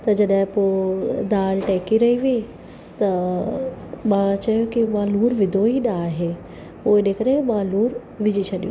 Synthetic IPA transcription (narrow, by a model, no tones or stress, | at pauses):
t̪ɐd͡ʑɐɗɦɪ̃poːd̪aːlʈɛːkiɾɐɦiʋii | t̪ɐ | mãt͡ɕɐjokimãːluːɾʋɪd̪ʱoiɗaːɦe | poːɪɗekɐɾemãluːɾ | ʋɪd͡ʑʱit͡ɕʰɐɗijṵ̃